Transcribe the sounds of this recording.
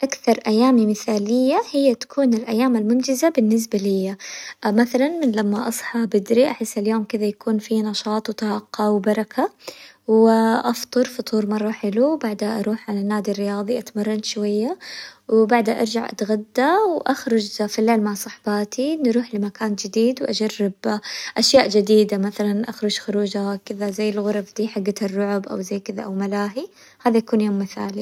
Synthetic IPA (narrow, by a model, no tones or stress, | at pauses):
ʔakθɑɾˤʔajːaːmimɪθaːlɪjːahɪjːat̪ḁkʰuːnɪlʔajːaːmalmʊnd͡ʒɪzabɪnːɪs̬balɪjːamaθalanmɪnlamːaʔɑsˤħɑbɪd̪ɾiʔaħɪsːɪljoːmkɪðajakuːnfinɑʃɑːt̪ˤwt̪ɑhɑqːɑwbɑɾˤɑkʰa | wʔɑft̪ˤɨɾˤfʊt̪ˤuːɾmɑrˤːɑħɪluwbaʕd̪haʔɑɾuːħʕalanːaːd̪irːɪjɑːðˤiʔat̪mɑrˤːɑnʃwajːawbaʕd̪haʔɑ̰ɾˤd͡ʒaʕʔa̰t̪ɣad̪ːawʔaxɾʊd͡ʒfileʕlmaʕsˤɑħbɑːt̪ʰinɾuːħlɪmakaːnd͡ʒɪd̪iːd̪wʔad͡ʒarːɪbʔaʃjaːʔd͡ʒɪd̪iːd̪amaθalanʔaxɾˤʊd͡ʒxʊɾuːd͡ʒakɪðazajːɪlɣʊɾˤɑfd̪iːħaɡːarːʊʕʊbʔa̰wzajːkɪðaʔawmalaːɦi | haːðajakuːnjoːmːɪθa̰ːli